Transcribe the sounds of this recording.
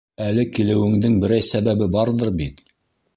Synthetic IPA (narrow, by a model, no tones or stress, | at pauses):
ælɘkilɘ̆wɘ̆ŋd̪ɘŋbɘ̆ɾæjsæβæβɘbɑɾðɤɾbit̪